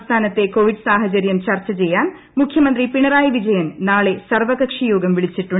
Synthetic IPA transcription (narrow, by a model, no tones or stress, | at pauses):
st̪ʰaːnɐt̪ːe̞ko̞ːʋiɖsaːɦɐd͡ʑɐɾjɐmt͡ɕɐrt͡ɕːɐt͡ɕe̞jːaːn | mukʰjɐmɐnd̪ripiɳɐraːjʋid͡ʑɐjɐnnaːɭe̞sɐrʋɐɣɐkʂɐjoːɡɐmʋiɭit͡ɕːiʈːuɳ